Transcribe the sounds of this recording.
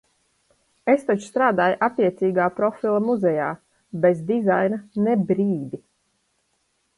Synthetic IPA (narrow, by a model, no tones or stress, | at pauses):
est̪at͡ʃst̪ɾaːd̪aːjʔapiɛt̪siːɡaːpɾɔfʲilˠamuzɛjaː | bezd̪izajnanebɾiːd̪i